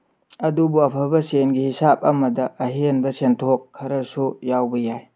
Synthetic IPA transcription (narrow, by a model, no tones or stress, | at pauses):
ɐdubuɐpʰɐbɐsenɡihisap̚ɐmɐdɐʔɐɦenbɐsentʰokʰːɐɾɐsujawbɐjaj